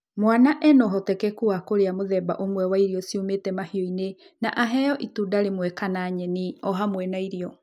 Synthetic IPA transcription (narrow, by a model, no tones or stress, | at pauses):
mwanaʔɛnɔɦɔtɛkɛkuakoɾeamoðɛba̰ʔomwɛwaiɾiɔsiumetɛmahioinenaʔaɦɛjɔʔitudaɾemwɛkanaɲɛniɔɦamwɛnaiɾiɔ